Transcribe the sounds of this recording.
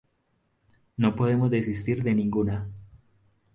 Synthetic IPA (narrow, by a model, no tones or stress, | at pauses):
no̞po̞ðe̞mo̞zd̪esist̪iɾðe̞nĩŋɡuna